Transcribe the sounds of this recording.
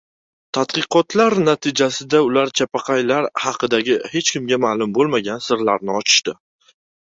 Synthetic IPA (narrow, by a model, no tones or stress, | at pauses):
t̪ʰad̪qɨqʰɒt̪ʰlaɾnat̪ʰɪd͡ʒasɪd̪aʊlaɾt͡ʃʰapʰɑqʰɑjlaɾhɑqʰɨd̪aɡʲɪhe̞t͡ʃkʲɪmɡʲamaːlˠʊmbolˠmaɡʲansɪɾlaɾnɪɒt͡ʃʰɪ̥ʃt̪ɪ